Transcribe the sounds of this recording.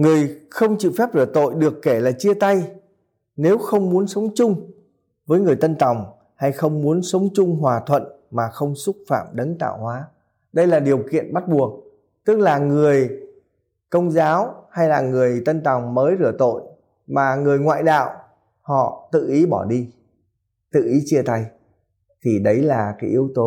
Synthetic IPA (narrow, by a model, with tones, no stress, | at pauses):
ŋɨ˨˩əjxə˧wŋ͡mt͡ɕḭ˧˨fɛ˦˥p̚ɾɨ˧˩t̪o̰˧˨jɗɨ˨˩əkːe˧˩laː˨˩t͡ɕi˧ət̪a˧j | ne˨˦wxə˧wŋ͡mmu˨˦ənsə˨˦wŋ͡mt͡ɕʊ˧ŋ͡m | vəː˨˦jŋɨ˨˩əjt̪ə˧nt̪a˨˩wŋ͡m | ha˧jxə˧wŋ͡mmu˨˦ənsə˨˦wŋ͡mt͡ɕʊ˧ŋ͡mɦwaː˨˩t̪ʰwə̰˧˨n | maː˨˩xə˧wŋ͡msʊ˦˥t̚fa̰ː˧˩mɗə˨˦ŋt̪a̰ː˧˨whwaː˨˦ | ɗə˧jlaː˨˩ɗi˨˩əwkḭ˧˨ənɓa˦˥t̚ɓu˨˩ək̚ | t̪ɨ˦˥k̚laː˨˩ŋɨ˨˩əj | kə˧wŋ͡mzaː˨˦wha˧jlaː˨˩ŋɨ˨˩əjt̪ə˧nt̪a˨˩wŋ͡mməː˨˦jzɨ˧˩ət̪o̰˧˨j | maː˨˩ŋɨ˨˩əjŋwa̰ː˧˨jɗa̰ː˧˨w | hɔ̰˧˨t̪ɨ̰˧˨ʔi˨˦ɓɔ˧˩ɗi˧ | t̪ɨ̰˧˨ʔi˨˦t͡ɕi˧ət̪a˧j | t̪ʰi˨˩ɗə˨˦jlaː˨˩kaː˨˦jʔi˨˦əwt̪o˨˦